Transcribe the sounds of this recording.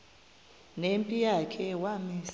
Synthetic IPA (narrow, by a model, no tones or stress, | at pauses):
nempʼijakʰɛwamis